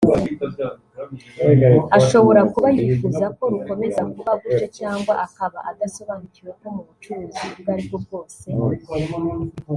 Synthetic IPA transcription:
aʃo̞βo̞ɾakuβajifuːzako̞ɾuko̞me̞zakuβaɡut͡ʃet͡ʃaːŋɡwaʔakaβa̰ʔad̪aso̞βaːniɟiweko̞muβut͡ʃuɾuziuβaɾiβɡob̚ɡo̞ːse̞

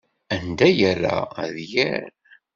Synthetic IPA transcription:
ænd̪æjæra̰ðjæɾ

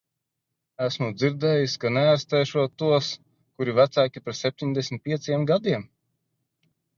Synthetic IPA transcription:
æsmud̪ziɾd̪ɛːjiskanɛaɾst̪ɛjʃuɔuɔs | kuɾivæt̪sæːkʲipɾɛt̪sʲep̚ʲt̪ʲiɲʲd̪ɛsmʲit̪̚piɛt̪sjɛmɡad̪iɛm

